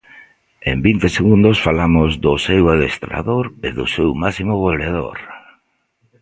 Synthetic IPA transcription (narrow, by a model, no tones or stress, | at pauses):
embint̪eseɣund̪ʊsfalamʊzðʊsewalest̪ɾa̰ðoɾeðʊsewmasimʊβoleðo̰ɾ